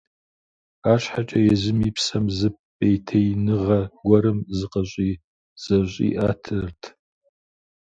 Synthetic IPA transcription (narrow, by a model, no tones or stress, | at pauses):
aːɕħat͡ʃʼɐjɛzɨmipsɐmzɨp̚ːejtʰɐjnɨʁɐɡʷɔɾɨmzɨqɐɕʷʼiː | z̥ɐɕʷʼḭːʔaːtʰɨrtʰ